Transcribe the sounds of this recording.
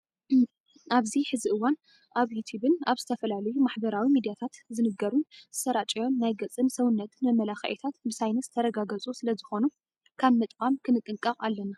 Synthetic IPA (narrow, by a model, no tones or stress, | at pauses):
ʔaβziħɨziʔɨwːan | ʔaβjut̪ʰjuβɨnaβzɨt̪ʰɐfɐlalɐjumaħbɐɾawimid̪ijat̪ʰat̪zɨnɨɡɐɾunz̥ɨsɐɾat͡ʃʼijo̞nːajɡɐt͡sʼːɨmsɐwɨnːɐt̪mɐmːɐlaxɐ̰ʔɛt̪ʰat̪bɨsajnɐsɨt̪ʰɐɾɐɡaɡɐt͡sʼusɨlɐzɨxo̞nu | kʰaβmɨt̪ʼkʼamkʰɨnɨt̪ʼɨŋkʼːɐqʼalːɐna